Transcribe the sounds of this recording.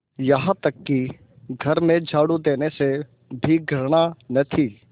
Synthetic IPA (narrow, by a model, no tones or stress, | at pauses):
jɐɦãt̪ɐkːi | ɡʱɐɾmẽd͡ʒʱaːɽud̪eːnese | bʱiɡʱəɾɽ̃anɐt̪ʰiː